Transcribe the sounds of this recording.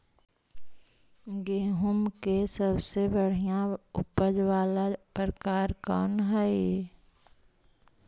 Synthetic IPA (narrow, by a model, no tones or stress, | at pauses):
ɡeːɦʊmkesəbsebəɽ̤ijãʊpəd͡ʒʋaːlapɾkaːɾkɔ̰ːnɦa